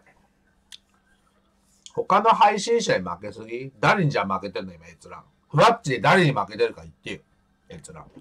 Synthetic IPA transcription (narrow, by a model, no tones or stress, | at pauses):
ho̞kano̞ɦaiɕĩɰ̃ɕaɲʲima̰ke̞sɨɡʲid̪aɾe̞ɲ̟id͡ʑamake̞t̪e̞ɾɯ̟noimaet͡sɨɾã̰ŋ | ɸɯ̟βat͡ɕiɲid̪aɾe̞ɲ̟imake̞t̪e̞ɾɯ̟kait̪ːejɯ | et͡sɨɾã̰ŋ